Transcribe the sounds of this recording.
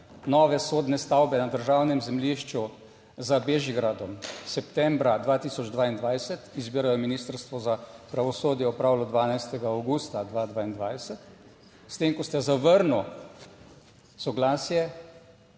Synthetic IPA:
nɔːʋɛsoːd̪nɛst̪awbɛnad̪əɾʒawnɛmzɛmliʃt͡ʃu | zəbeʒiɡɾad̪ɔmsɛpt̪ɛmbɾad̪ʋaːt̪isɔd͡ʒd̪ʋaːind̪ʋajsɛt̪izbiːɾajɔminiːst̪əɾst̪ʋɔzapɾaʋɔsoːd̪jɛɔpɾawlɔd̪ʋaːnajst̪ɛɡaːwɡuːst̪ad̪ʋad̪ʋaːind̪ʋajsɛt̪ | st̪eŋkɔst̪ɛzaʋəɾnu | sɔɡlaːsjɛ

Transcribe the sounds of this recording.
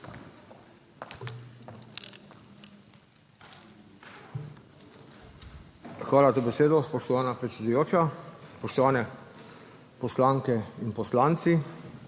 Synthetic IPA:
xʋaːlazabɛseːd̪ɔspɔʃt̪ɔʋaːnapɾɛt̪sʲɛd̪ujoːt͡ʃaspɔʃt̪ɔʋaːnɛ | pɔslaŋkɛinpɔslaːnt̪si

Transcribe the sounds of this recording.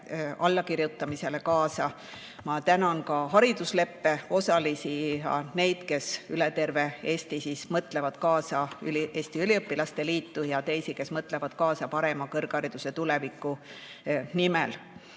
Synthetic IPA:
ɑlːɑkiɾjut̪ːˑɑmise̞le̞kɑːsɑ | mɑt̪ænɑnkɑɦɑɾid̪̥usle̞pːe̞o̞sɑlisijɑ̰ne̞jd̪̥ke̞sylet̪e̞rve̞e̞ːst̪isismɤt̪ˑle̞vɑd̪̥kɑːsɑyliʔe̞ːst̪iylʲiɤpːilɑst̪e̞liːt̪ːujɑt̪e̞jsike̞smɤt̪ˑle̞vɑd̪̥kɑːsɑpɑɾe̞mɑkɤrɡ̥ɑɾid̪̥use̞t̪ule̞vikːˑu | nimel

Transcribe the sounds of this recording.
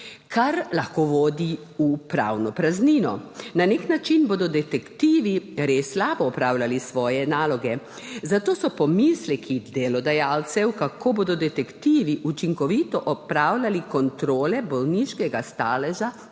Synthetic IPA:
kʰaɾlaxkoʋoːd̪i | upɾa̰wnɔpɾazniːnɔnaneknat͡ʃinboːd̪ɔd̪ɛt̪ɛkt̪iːʋiɾesːlaːbɔːpɾaːwlʲalisʋɔːjɛnaːlɔɡɛ | zat̪oːsɔpɔmislɛkʰid̪elɔd̪ajaːlt̪sɛwkakʰoːboːd̪ɔd̪ɛt̪ɛkt̪iːʋiʔut͡ʃiŋkɔʋit̪ɔʔɔpɾaːwlalikɔnt̪ɾoːlɛbɔlniʃkɛɡast̪aːlɛʒa

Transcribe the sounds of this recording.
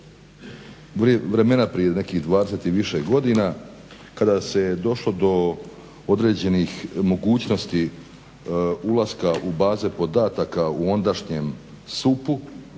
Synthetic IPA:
ʋɾe̞me̞napɾije̞ne̞kiɣd̪ʋaːd̪eset̪iʋiʃeɡo̞d̪ina | kad̪ased̪o̞ʃlo̞d̪o̞ | od̪ɾeːd͡ʑe̞nixmo̞ɡuːt͡ɕno̞st̪i | ulˠaskaʔubaːzepo̞d̪aːt̪akauo̞nd̪aʃɲem | supu

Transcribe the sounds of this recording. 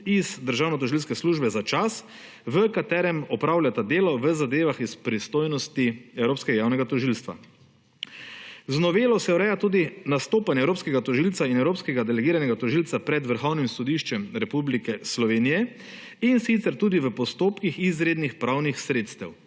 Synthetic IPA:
izd̪əɾʒaːwnɔt̪̬ɔʒilskɛsluːʒbɛzat͡ʃas | ʋəkat̪ɛːɾɛmɔpɾaːwlʲjʲat̪ad̪eːlɔʋəzad̪eːʋaxispɾist̪oːjnɔst̪iɛwɾoːpskɛɡajaːwnɛɡat̪ɔʒilst̪ʋa̰ | znɔʋeːlɔsɛɔɾɛjat̪uːd̪inast̪oːpanjɛwɾoːpskɛɡat̪ɔʒilt̪sainɛwɾoːpskɛɡad̪ɛlɛɡiːɾanɛɡat̪ɔʒilt̪sapɾɛd̪ʋəɾxɔwnimsɔd̪iʃt͡ʃɛmɾɛpublikɛslɔʋeːnijɛ | insit̪sɛɾt̪uːd̪iʋəpɔst̪oːpkixizɾeːd̪nixpɾawnixsɾeːt̪st̪ɛw

